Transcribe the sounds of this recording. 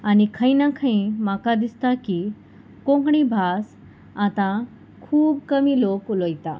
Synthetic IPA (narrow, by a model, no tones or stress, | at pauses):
anikʰə̃inakʰəĩmakad̪ist̪aki | kõŋkɳibʱas | at̪ã | kʰuːbkəmiloklojt̪a̰